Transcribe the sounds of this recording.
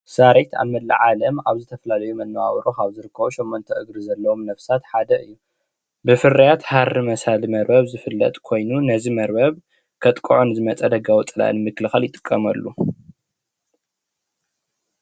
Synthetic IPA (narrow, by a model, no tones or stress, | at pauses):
saɾet̪ʰa̰βmɐd̪lɨ̰ʕalɐmaβzɨt̪ʰɐfɐlalɐjumɐnːɐwawɾokaβzɨɾɨkʰːɐβoʃomːont̪ʰɐʔɨɡɾizɐlːɐwomnɐfsat̪ħad̪ɐʔɨjːu | bɨfɨɾɐjat̪harːɨmɐsalimɐɾbɐβzɨfɨlːɐ̰t̪ʼkʰo̞jnunɐzimɐɾbɐβ | kʰɐt̪ʼkʼuʕonɨzɨmɐt͡sʼɐd̪ɐɡawɔt͡sʼɨla̰ʔɨ̰nmɨkːɨlɨxaljɪt̪ʼɨ̥kʼːɐmɐlːu